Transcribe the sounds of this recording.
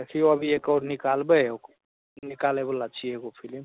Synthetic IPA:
ekʰiəbʱiekɔɾnikalbɛok | nikalebəlat͡ʃʰieɡopʰilim

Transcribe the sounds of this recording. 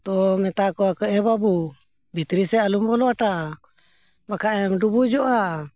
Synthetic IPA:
t̪ɔmɛt̪akɔakəʔɛbabu | bʱit̪ɾisɛalumbɔlɔaʈa | bakaʔɛmɖubud͡ʒɔʔa

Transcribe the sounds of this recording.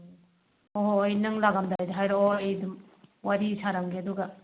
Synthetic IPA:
oɦoːjnɯŋlaɡamdaajdaɦajɾɔojdum | waɾisaɾaŋɡeaduɡɐ

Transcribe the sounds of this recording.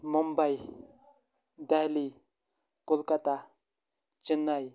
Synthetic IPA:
mɔmbaj | d̪aɦli | kolkat̪a | t͡ʃinːaj

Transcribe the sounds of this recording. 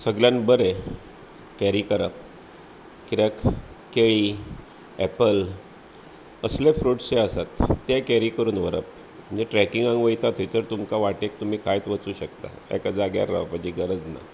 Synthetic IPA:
səɡljanbəɾe | kɛɾiːkəɾəp̚ | kiɾək | keɭiː | ɛpəl | əslefɾuʈseəsat̪ːakɛɾikəɾuːnʋəɾə̰p̚ | ənd͡ʑeʈɾɛkiŋɡãŋɡʋəjt̪at̪ʰet͡səɾt̪umkaʋaʈek̚t̪um̤iːkʰajt̪ʋət͡suːɕəkt̪a̰ | ɛ̰kad͡zaɡja̰ɾːə̰fad͡ʑiːɡəɾəd͡zna̰

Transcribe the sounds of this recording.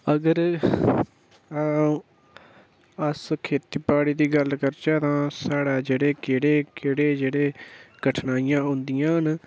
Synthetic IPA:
əɡəɾ | əskʰeːt̪iːpaːɽiːd̪iːɡəlkəɾt͡ʃaːt̪ãːsaːɽaːd͡ʒeːɽeːkeːɽeːkɪːɽeːd͡ʒeːɽeːɡəʈʰnaːijãːɦʊ̃nd̪ɪjãːn

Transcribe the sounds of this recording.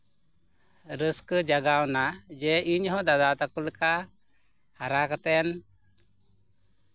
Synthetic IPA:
ɾəskəd͡ʒaɡawnad͡ʒɛiɲɦɔd̪ad̪at̪akulka | haɾakat̪ɛn

